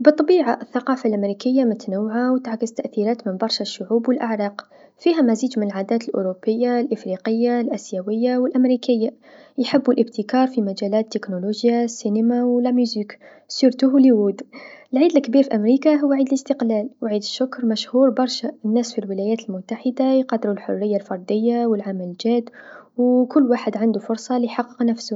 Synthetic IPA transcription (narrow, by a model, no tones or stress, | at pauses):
bɨt̪ˤːɑbiːʕaʔəθːɑqɑːfalʔamɾikəjːamʊt̪anawːʕawt̪ʕkəzt̪ːaʔθiɾæːt̪mɪnbɑɾˤʃaʃːʊʕuːbwəlʔaʕɾˤɑːq | fiɦæmæziːd͡ʒmɪnəlʕaːd̪æːt̪əlʔʊ̰ɾopːəjːalʔəfɾiqəjːalʔæsjawəjːawɪlʔæmɾiːkəjːa | jħɪbːulʔəb̚t̪ʰəkɑːɾˤfimæd͡ʒælæːt̪ːɪknoloʒjasinəmawlæmjuzik | suɾt̪ʊhwliwud̪ʔəlʕiːd̪əlkːbiːɾfiʔæmɾikaɦʊwːaʕiːd̪ləst̪əqlælwʕiːd̪əʃːʊkɾˤmæʃhuɾbɑɾˤʃaənːæsfilwəlæjæːt̪lmʊt̪ːaħəd̪ajqɑd̪ːɾulħʊ̰rːəjːalfɑɾˤd̪əjːawəlʕamælʒæd̪wkʊlːwaːħəd̪ʕand̪ufʊɾˤsˤɑlijħɑqːə̥qnæfsʊ